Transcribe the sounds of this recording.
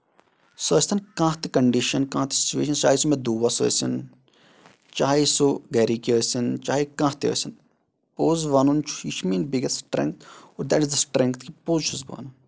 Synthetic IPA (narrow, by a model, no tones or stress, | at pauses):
sɐːsʲt̪ʰɐnkãːt̪ikɐɳɖiʃɐnkãːt̪i̥si̥t͡ʃuʋḛːʃɐnt͡ʃaːisumẽd̪oːʋɐsə̰sin | t͡ʃaːisuɡeɾikiəːsint͡ʃaːikãːɦt̪iə̰sin | poːzʋaːnunt͡ʃʰu̥it͡ʃʰmiːnbiɡesʈɾḛ̃ŋk̚t̪ʰoːɾd̪ɛʈizd̪ɐsʈɾeŋk̚t̪ʰkipoːzt͡ʃʰuzba̰ːnu